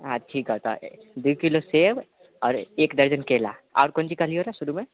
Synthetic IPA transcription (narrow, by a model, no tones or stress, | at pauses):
ɦãʈʰiːkɦot̪a̰ | d̪ujkiloseb | ɔːɾeːkd̪əɾd͡ʒənkeːla̰ɔ̰ːɾkont͡ʃikaliɦoɾaʃuɾumẽ